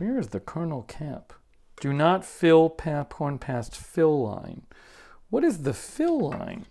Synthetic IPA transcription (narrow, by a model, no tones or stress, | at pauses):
wɛɹɨzðɨkʰɜ˞nl̩ˠkʰæ̰p | d̥ɨnətfɪlˠpʰæpkʰɔ̃ɹnpʰæstfɪlˠːã̰ɪ̃n | wʌɾɨzðɨfɪlˠːã̰ɪ̃n